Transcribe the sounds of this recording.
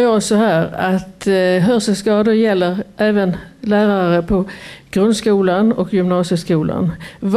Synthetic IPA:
ɔsɔhæːɾat̪ɦœɾsəskɑːd̪ʊɾjɛlːəɾʔɛːvənlæːɾaɾəpʰɔɡ̥ɾɵnd̪skuːlanɔkjʏmnɑːsəskuːla̰nv

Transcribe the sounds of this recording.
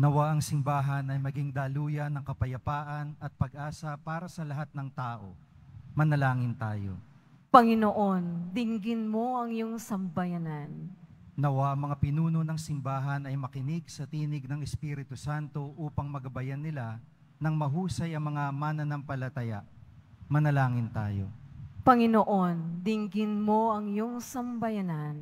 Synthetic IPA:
nɐwaʔɐŋsɪmbaːɦɐnɐjmɐɡiŋd̪aːluːjɐnɐŋkɐpɐjɐpaːʔɐnɐt̪̚pɐɡʔaːsɐpaːɾɐsɐlɐɦat̪̚nɐŋt̪aːʔo̞̰ | mɐnɐlaːŋɪnt̪aːjo̞̰ | pɐŋɪnoʔond̪ɪŋɡɪnmo̞ʔɐŋjoŋsɐmbɐjɐnannɐwamɐŋapɪnuːnonɐŋsɪmbaːɦɐnɐjmɐkɪnɪɡsɐt̪iːnɪɡ̚nɐŋɛspiːɾɪt̪ʊsant̪o̞ʔuːpɐŋmɐɡɐbɐjanːɪla | nɐŋmɐɦuːsɐjɐŋmɐŋamanɐnɐmpɐlɐt̪ɐjamɐnɐlaːŋɪnt̪aːo̰pɐŋɪnoʔo̞nd̪ɪŋɡɪnmo̞ʔɐŋjoŋsɐmbɐjanan

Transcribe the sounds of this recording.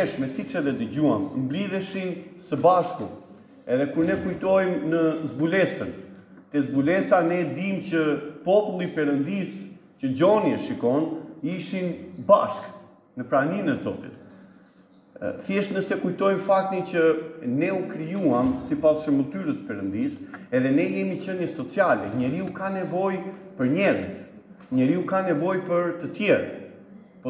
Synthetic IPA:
ɛʃmɛsit͡ʃɛðɛd̪əd͡ʑuammbliðɛʃinsəbaʃkṵ | ɛðɛkuɾnɛkujt̪ɔjmnəzbulɛsən | t̪ɛzbulɛsanɛd̪imcəpɔpulˠipɛɾənd̪is | cəd͡ʑɔniɛʃikɔniʃinba̰ʃk | nəpɾaninɛzɔt̪ḭt̪ | θjɛʃnəsɛkujt̪ɔjfak̚t̪it͡ɕənɛukɾijuamsipasʃəmət̪yɾəspɛɾənd̪isɛðɛnɛjɛmit͡ɕənjɛsɔt͡sialɛ̰ɲɛɾiukanɛvɔjpəɾɲɛɾəs | ɲəɾiukanɛvɔjpəɾt̪ət̪jɛɾa̰ | pɔ

